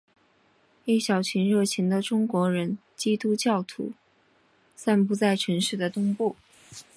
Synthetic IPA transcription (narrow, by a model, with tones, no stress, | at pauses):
i˥˩ɕjɑ˨˩ʊt͡ɕʰi˧˥nɻɤ˥˩t͡ɕʰi˧˥ŋd̪ə˧ʈ͡ʂʊ˥ŋkwɔ˧˥ɻə˧˥n | t͡ɕi˥t̪u˥t͡ɕjɑ˥˩ʊt̪ʰṵ˧˥ | sa˥˩npu˧˥t͡sa˥˩ɪʈ͡ʂʰə˧˥nʂɻ̩˥˩d̪ə˩t̪ʊ˥ŋpu˥˩